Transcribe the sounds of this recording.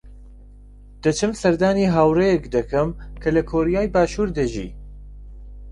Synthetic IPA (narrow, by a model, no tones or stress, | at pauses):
d̪̥ɐt͡ʃʰɨmsɐɾd̪aːniːɦaːwrejɛkd̪ɐkʰɐmkʰɐlɐkʰoːɾijaːjbaːʃuːɾd̪ɐʒḭː